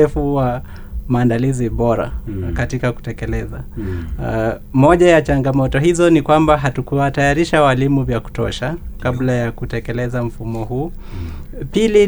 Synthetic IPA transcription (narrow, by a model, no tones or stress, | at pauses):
ɛfuwa | maːndaliziɓɔɾa̰katikaku̥tɛkɛlɛza | mɔʄajat͡ʃaŋɡamɔtɔhizɔnikwambaɦatukuwatajaɾiʃawalimuvjaku̥tɔ̰ʃakablajakutɛkɛlɛzam̩fumɔhuː | pili